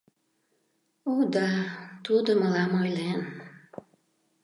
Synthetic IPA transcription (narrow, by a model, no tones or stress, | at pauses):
ud̪ɑt̪ud̪əmɤlɑmojlen